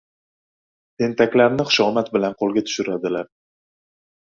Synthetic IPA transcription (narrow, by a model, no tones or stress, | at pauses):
t̪ʰe̞nt̪ʰakʲlaɾnɪχʊʃɒmat̪̚bɪlanqʰolˠɡʲat̪ʰʊ̥ʃʊɾad̪ɪlaɾ